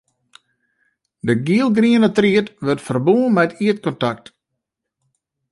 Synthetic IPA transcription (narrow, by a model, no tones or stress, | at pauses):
dəɡiəlˠɡriənətriətʋørtfərbuːmɛtʰiət̚kɔntak̚t